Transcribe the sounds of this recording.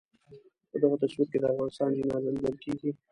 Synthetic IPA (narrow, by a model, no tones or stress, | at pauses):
pəd̪aɣot̪aʃwip̚ked̪əafɣɑnɪst̪ɑnd͡ʒɪnɑzald̪əlkeɡi